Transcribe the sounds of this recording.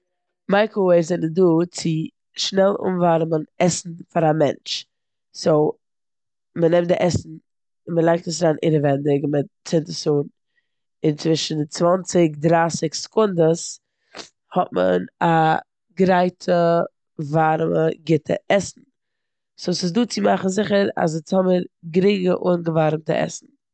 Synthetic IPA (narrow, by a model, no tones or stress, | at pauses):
maɪkəweɪzɛnəduːt͡sɪ | ʃnɛlˠʊ̰mvaɾmənɛsn̩faɾamɛ̰nt͡ʃ | soʊ | mənɛmtdɪʔɛsn̩ | məlˠaɪk̚təsɾaːnʔɪ̰ɾəvɛndɪkmɪtt͡sɪntəsuːn | ɪnt͡svɪʃn̩t͡svant͡sɪkdɾasɪkskʊndəs | hɔt̚mə̰na | ɡɾaɪtʰə | vaɾməɡɪtʰə̰ʔɛsn̩ | soʊsɪs̬duːt͡sɪmaχn̩zɪχəɾa̰s̬ɪt͡sɔməɾɡɾiːɡəʔuːnɡəvaɾmtə̰ʔɛ̰sn̩